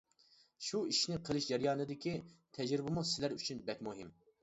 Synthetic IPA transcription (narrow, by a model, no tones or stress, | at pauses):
ʃuiʃnɪqʰəlˠɪʃd͡ʒɛɾjɑːnɨd̪ɪkʲit̪ʰɛd͡ʒɾɪbɪmusɪlæɾyt͡ʃʰynbɛkʲmuɦim